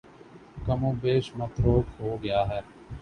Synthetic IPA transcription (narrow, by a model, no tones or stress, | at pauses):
kəmõːbeːʃmət̪ɾoːkɦoːɡɪjaːɦɛːɾ